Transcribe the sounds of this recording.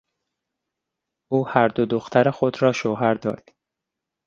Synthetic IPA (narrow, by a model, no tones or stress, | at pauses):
ʔuːhæɾd̪od̪oxt̪ʰæɾexod̪ɾɒːʃoɦæɾd̪ɒ̰ːd̪̥